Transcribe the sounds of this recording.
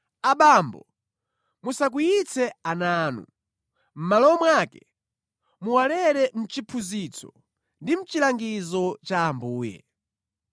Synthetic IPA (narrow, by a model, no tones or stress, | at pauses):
aɓambɔ | musak̬ujit͡sɛanaːnṵ | m̩malɔmwakɛ | muwalɛɾɛm̩t͡ʃipʰuzit͡sɔ | ndim̩t͡ʃilaŋɡizɔt͡ʃaːmbuːjɛ̰